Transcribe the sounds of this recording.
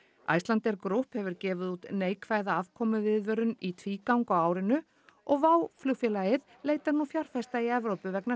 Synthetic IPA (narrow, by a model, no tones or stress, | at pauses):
a̰jst̪lant̪ɛɾkɾuhphɛvʏɾcɛːvɪðut̪neːjkʰvaːjðaav̥kʰɔːmʏvɪðvœɾʏnit̪ʰviːkawŋkawaːwɾɪnʏ | ʔɔɣvaːwfluwfjɛlajɪð | leːjt̪aɾnufjaɾ̥fɛst̪aiɛvɾowpʏvɛkna